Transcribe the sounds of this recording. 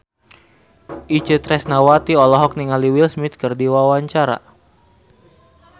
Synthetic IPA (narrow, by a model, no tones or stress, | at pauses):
ʔit͡ʃət̪ɾɛsnawat̪iɔlɔɦɔk̚niŋaliwilsmit̪̚kərdiwawaɲt͡ʃaɾa̰